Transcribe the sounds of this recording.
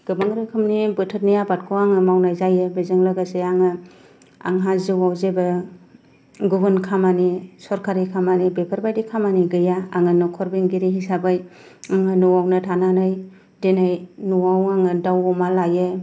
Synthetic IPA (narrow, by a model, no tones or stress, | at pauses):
ɡ̥ɯbaŋɾɯkʰɯmnibɯtʰɯt̚nijabat̚kʰoaŋɯmawnajzajɯbezɯŋlɯɡaseaŋɯ | a̰ŋɦazɯwawzebɯ | ɡubɯnkʰamanisɔɾkʰaɾikʰamanibepʰaɾbajdikʰamaniɡɯjaaŋɯnɔkʰɔɾbiŋɡiɾiɦisabɯj | aŋɯnuwawnɯtʰananɯj | denajnuwawaŋɯdawɔmalajɯ